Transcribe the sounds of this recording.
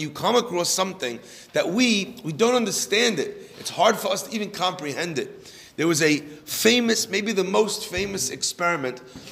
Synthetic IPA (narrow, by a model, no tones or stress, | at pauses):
jʉkʰɑməkɹˠsʌ̃mθɪ̃ŋ | ðɨʔ̚wiwidõʊ̃ntʌ̃ndə˞stæ̃ndɪt̚ɨtshɑɹd̥fə˞ʌstʰəivɨ̃nkʰɑ̃mpɹihɛ̃ndɨt̪̚ | ðə˞wʌzɨfẽɪ̃mɨsmeɪbiðɨmoʊstfẽɪ̃mɨsɨkspɛɹɨmɨ̃nt̚